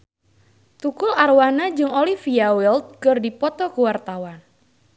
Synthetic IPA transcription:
t̪ukʊlarwanad͡ʒɨŋolifiawɛlt̪̚kɨrdipɔt̪ɔkuwart̪awan

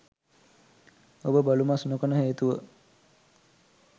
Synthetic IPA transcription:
obəbalumasnokənəɦeːt̪uʋə

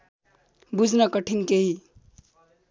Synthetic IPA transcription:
bud͡zʱnʌkʌʈʰiŋkeɦi

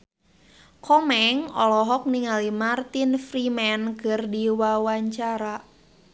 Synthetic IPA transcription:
kʰɔmɛŋɔlɔɦɔk̚niŋalimart̪infrimɛnkɨrdiwawaɲt͡ʃaɾa

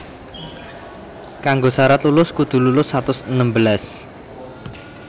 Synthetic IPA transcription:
kaŋɡosaɾat̪lulʊskud̪̥ṳlulʊsːat̪ʊsənəmbəlas

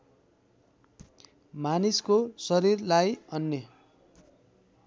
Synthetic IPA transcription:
maniskosʌɾirlajʌnːʌ

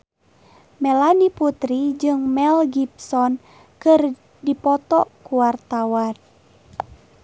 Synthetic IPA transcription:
mɛlaniput̪ɾid͡ʒɨŋmɛlɡip̚sɔn | kɨr | dipɔt̪ɔ̰kuwart̪awan

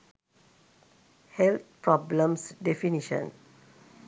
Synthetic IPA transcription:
hɛlt̪̚pɹɔblə̃msdɛfiniʃə̰̃n

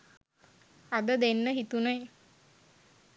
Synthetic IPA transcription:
ad̪əd̪enːəɦit̪unəj

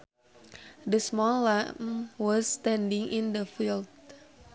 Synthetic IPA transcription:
dəsmɔlːamwɔst̪ɛ̃ndiŋʔĩndəfild

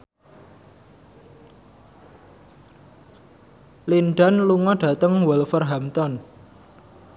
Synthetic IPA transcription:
linɖanluŋɔɖ̥ä̤t̪əŋwəlfərɦamt̪ɔn

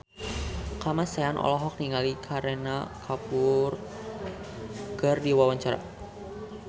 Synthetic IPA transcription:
kamasaanʔɔ̰lɔɦɔk̚niŋalikʰaɾenakʰapʊr | ɡ̥ərdiwawaɲt͡ʃaɾa̰

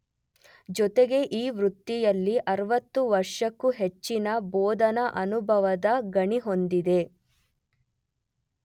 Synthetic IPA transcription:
d͡ʒɔt̪eɡe̞ʔiːʋɾut̪ːijɐlːiʔɐɾɐʋɐt̪ːuʋɐɾʂɐkːuɦet͡ʃːinɐbɔːd̪ɐnɐʔɐnubʱɐʋɐd̪ɐɡɐɳiɦo̞nd̪id̪e̞

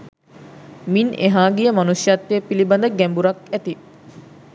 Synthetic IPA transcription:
mineɦaːɡijəmanusjat̪ːepiliband̪əɡæmbuɾakæt̪i

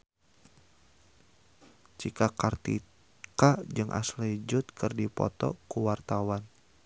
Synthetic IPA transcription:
t͡ʃikakart̪ḭ | kad͡ʒɨŋʔa̰slid͡ʒʊt̪̚kɨrdipɔ̰t̪ɔ̰kuwart̪awan

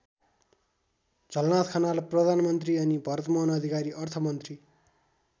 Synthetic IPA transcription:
d͡zʱʌlnat̪kʰʌnalprʌd̪ʱanmʌnt̪riʌnibʱʌɾʌt̪mʌɦnʌd̪ʱikaɾiʔʌrt̪ʰʌmʌnt̪ri

